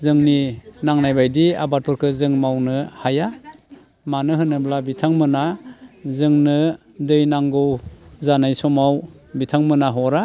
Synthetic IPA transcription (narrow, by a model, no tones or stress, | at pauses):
zɯŋninaŋnajbajdia̰baɾ̚pʰuɾkʰɯzɯŋmawnɯhaja | manɯɦɯnɯblabitʰaŋmɯnazɯŋnɯ | dɯjnaŋɡɯwzanajsɔmaw | bitʰaŋmɯnaɦɔɾa